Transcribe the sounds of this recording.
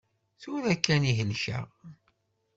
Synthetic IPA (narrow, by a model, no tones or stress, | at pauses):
θʊɾækːæniɦəlʃæ̰